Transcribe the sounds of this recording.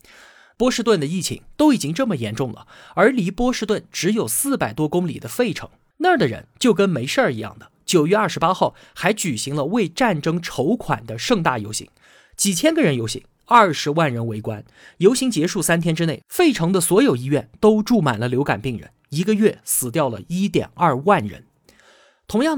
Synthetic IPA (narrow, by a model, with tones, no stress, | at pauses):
pwɔ˥ʂɻ̩˥˧t̪wə˥˩nd̪ə˩i˥˩t͡ɕʰḭ˧˥ŋt̪o˥ʊi˨˩t͡ɕi˥ŋʈ͡ʂɤ˥˩mə˩jɛ˧˥nʈ͡ʂʊ˥˩ŋlə̰˩ | ə˞˧˥li˧˥pwɔ˥ʂɻ̩˥˧t̪wə˥˩nʈ͡ʂɻ̩˧˥jo˨˩ʊsɹ̩˥˩pa˨˩ɪt̪wɔ˥kʊ˥ŋlḭ˨˩d̪ə˦fe˥˩ɪʈ͡ʂʰɤ̰˧˥ŋ | na˥˩d̪ə˩ɻə̰˧˥nt͡ɕjo˥˩ʊk̬ə˥nme˧˥ɪʂə˞˥˩i˧˥jɑ̰˥˩ŋd̪ə˩t͡ɕjo˨˩ʊɥɛ˥˧ɐ˞˥˩ʂɻ̩˧˥pa˥xɑ˥˩ʊ | xa˧˥ɪt͡ɕy˨˩ɕi˧˥ŋlə˧we˥˧ɪʈ͡ʂa˥˩nʈ͡ʂɤ˥ŋʈ͡ʂʰo˧˥ʊkʰwa̰˨˩nd̪ə˦ʂɤ˥˧ŋt̪a˥˩jo˧˥ʊɕḭ˧˥ŋ | t͡ɕi˨˩t͡ɕʰjɛ˥nɡə˨ɻə˧˥njo˧˥ʊɕḭ˧˥ŋ | ɐ˞˥˩ʂɻ̩˧˥wa˥˩nɻə˧˥nwe˧˥ɪkwa̰˥n | jo˧˥ʊɕi˧˥ŋt͡ɕjɛ˧˥ʂu˥˩sa˥nt̪ʰjɛ˥nʈ͡ʂɻ̩˥ne˥˩ɪfe˥˩ɪʈ͡ʂʰɤ˧˥ŋd̪ə˧swɔ˧˥jo˨˩ʊi˥ɥɛ˥˩nt̪o˥ʊʈ͡ʂu˥˩ma̰˨˩nlə˦ljo˧˥ʊka̰˨˩npi˥˩ŋɻə̰˧˥ | i˧˥ɡə˧ɥɛ˥˩sɹ̩˨˩t̪̬jɑ˥˩ʊlə̰˩i˥t̪jɛ̰˨˩nɐ˥˧wa˥˩nɻə̰˧˥n | t̪ʰʊ˧˥ŋjɑ˥˩ŋ